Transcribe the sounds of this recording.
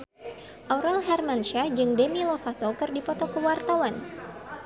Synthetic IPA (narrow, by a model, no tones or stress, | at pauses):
ʔaɾɛlɦɛrmanʃad͡ʒɨŋdɛmilɔfat̪ɔkərdipɔt̪ɔkəwart̪awan